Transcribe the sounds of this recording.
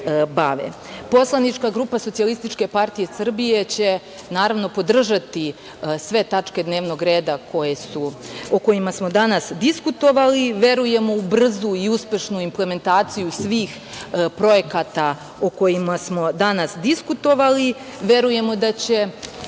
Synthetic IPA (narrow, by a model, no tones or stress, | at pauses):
baʋḛpo̞slˠanit͡ʃkaɡɾuːpaso̞t̪ialist̪it͡ʃke̞paɾt̪ije̞sr̩bije̞t͡ɕe̞ | naːɾaʋno̞po̞d̪r̩ʒat̪i | sʋe̞t̪at͡ʂke̞d̪neːʋno̞ɡɾe̞ːd̪ako̞jesuoko̞jimasmo̞d̪anasd̪iskut̪o̞ʋaliʋe̞ɾuje̞mo̞ubr̩zuiuspe̞ʃnuimple̞me̞nt̪aːt̪sijusʋiːx | pɾo̞je̞kat̪a | oko̞jimasmo̞d̪anasd̪iskut̪o̞ʋali | ʋe̞ɾuje̞mo̞d̪at͡ɕe̞